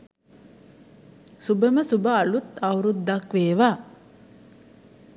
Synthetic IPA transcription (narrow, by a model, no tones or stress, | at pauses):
subəməsubəːlut̪awɾud̪ːakʋeːʋa